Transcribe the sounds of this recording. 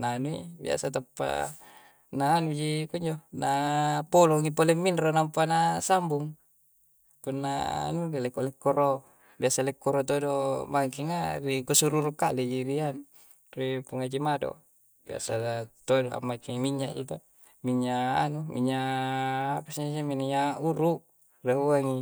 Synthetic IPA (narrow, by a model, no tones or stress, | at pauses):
nanuḭbḭa̰sat̪apːa̰ | naːnud͡ʒikuɲd͡ʒonapoloŋipolemːinronampanasambuŋ | kunːa̰a̰nuelekolekːoɾo | biasalekːoɾot̪odobaŋkiŋarikosuɾuɾukalid͡ʒiɾianu | ripuŋad͡ʒimado̰ | bia̰sat̪odoa̰mːakimiɲːaʔt̪ut̪a | miɲːaːnumḭɲːaː | pasɲd͡ʒiminɲauɾuʔ | raɦuaŋi